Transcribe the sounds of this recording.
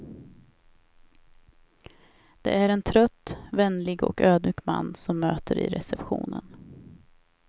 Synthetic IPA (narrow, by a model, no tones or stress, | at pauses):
d̪̥ɛʔæɾɛnt̪ʰɾœt̪ːvɛnlɪɡɔ̰køːd̪myːkmanːsɔmːøːt̪ʰəɾɪ̰ɾɛsɛpɧuːnən